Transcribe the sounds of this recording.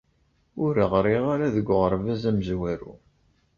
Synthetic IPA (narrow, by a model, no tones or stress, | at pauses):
ʊɾəʁɾiʁaɾaðəɡʷːʁəɾˤvæzæməzwæɾṵ